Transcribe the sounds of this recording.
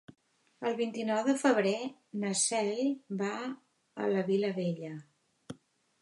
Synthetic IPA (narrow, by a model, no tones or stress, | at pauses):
əlˠβint̪inɔwðəfəβ̞ɾenəsɛʎba | ə̰ləβiləβeʎə